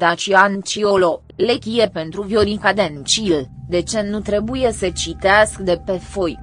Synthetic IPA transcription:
d̪at͡ʃiant͡ʃiolo | lekʲijepent̪ɾuvjoɾikad̪ent͡ʃild̪e̞t͡ʃe̞nut̪ɾe̞buje̞sət͡ʃit̪easkd̪e̞pe̞fo̞j

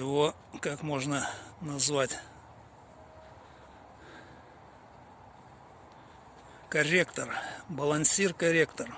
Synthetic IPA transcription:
ɪvo | kakmo̞ʐnənɐzvatʲ | kɐrʲekt̪ərbəlˠɐnʲsʲirkɐɾʲekt̪ər

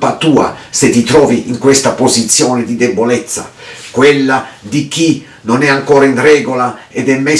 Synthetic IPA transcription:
pat̪uːa̰set̪ːit̪ɾɔːviiŋkwest̪apozit̪sːjɔːnɪd̪id̪ɛbolɛt̪sːa̰ | kwelːad̪ik̟i | nonɛaŋkɔːɾainrɛːɡolaɛd̪ɛmːɛ

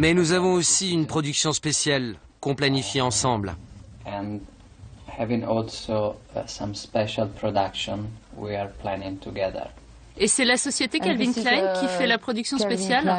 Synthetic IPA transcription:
mɛnuzavɔ̃osiynpχɔd̪yksjɔ̃spesjal | kɔ̃planifjeɑ̃sɑ̃blɛ̃n | hɛvɪ̃ŋɔlsosãmspɛʃalˠpʰɹɔdakʃɔ̃nwḭaɹpʰlænɪ̃ŋt̪ʰuɡɛðə̰˞ | esɛlasɔsjet̪ekʲalvinklankʲifɛlapχɔd̪yksjɔ̃spesjal

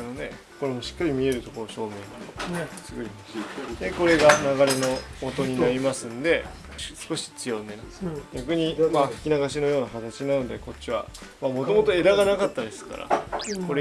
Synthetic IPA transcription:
anod̪e̞ | ko̞ɾe̞mo̞ɕi̥kːaɾʲimʲie̞ɾɯ̟t̪o̞ko̞ɾoɕo̞ːme̞ːɲasɨɡoi | d̪e̞ko̞ɾe̞ɡanaɣaɾe̞no̞mo̞t̪o̞ɲ̟inaɾʲimasɨ̃nd̪e̞ | sɨ̥ko̞ɕi̥t͡sɨjonenasɡʲakɯ̟ɲ̟imaɸɯ̥kʲinaɡaɕ̬ino̞jo̞ːnakat̪at͡ɕiɲnaɯnod̪e̞ko̞tt͡ɕːiβa̰ | mamo̞t̪o̞mo̞t̪o̞e̞d̪aɡanakat̪ːad̪esɨ̥ka̰ɾa̰ko̞ɾe

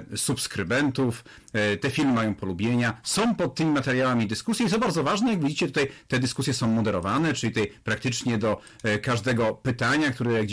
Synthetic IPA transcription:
supskɾɘbɛnt̪uf | t̪ɛfʲilmɘmajɔ̃w̃pɔlubʲjeɲasɔ̃w̃pɔt̪̚tːɘmʲimat̪ɛɾjawamʲid̪ɘskusʲjɛit̪ɔbaɾd̪zɔvaʐnɛjaɡvʲid͡ʑit͡ɕɛt̪ut̪ajt̪ɛd̪ɘskusʲjɛsɔ̃w̃mɔd̪ɛɾɔvanɛt͡ʂɘlʲit̪ɛjpɾak̚t̪ɘt͡ʂɲɛd̪ɔ | kaʐd̪ɛɡɔpɘt̪aɲakt̪uɾɛjaɡd͡ʑ

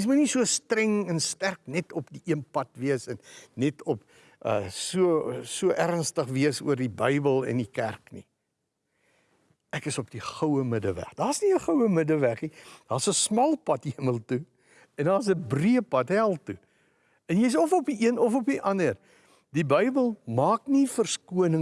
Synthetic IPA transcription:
s̬mutnisuəstrɛŋɛnstærknɛtɔpdiʔiənpɐtviəsɛnːɛtʰɔp | ʔə̰ːsuəsuəʔærnstəχviəsṵərdibəjbəlˠɛ̰ndikærknḭ | ækəsɔpd̥iχəwəmədəvæ̰χdɑːsniəχəwəmədəvæχnid̥ɑːsəsmɐlˠpɐtɦiəməlˠtu | ɛndɑːs̬əbriəpɐtɦælˠtu | ɛnjəjs̬ɔfɔpiʔiənɔfɔpiʔɐnər | dibəjbəlˠmɑːknifərskuənə

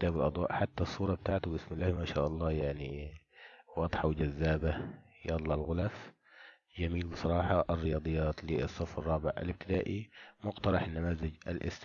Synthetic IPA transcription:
t̪aːbɪlʔɑd̪ˤwɑ̰ːʔħat̪ːasˤːuːɾˤɑbɪt̪aːʕt̪ʊbɪsmɪlːaːhmaːʃa̰ːʔɑlˤːɑːjaʕni | wɑd̪ˤħɑwɪd͡ʒazːaːba | jɑd̪ˤlɑlɣʊlaf | d͡ʒamiːlbɨsˤɑɾˤɑːħɑʔɪrːɪjɑːd̪ˤɨjːɑːt̪lisˤːɑfɑrˤːɑːbɪʕa̰lɪb̚t̪ɪd̪aːʔimʊɡt̪ɑɾˤɑħanːamaːzɪd͡ʒʔa̰lʔɪ̰st̪

